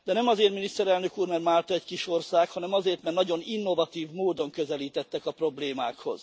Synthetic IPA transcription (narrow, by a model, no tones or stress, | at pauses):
d̪ɛnɛmɒzeːrt̪minist̪ɛɾɛlnø̞kuːrmɛrmaːlt̪ɒɛckiʃo̞rsaːkhɒnɛmɒzeːrt̪mɛrnɒɟo̞ninːo̞vɒt̪iːvmoːd̪o̞ŋkøzɛliːt̪ɛt̪ːɛkɒpro̞bleːmaːkho̞̰z̥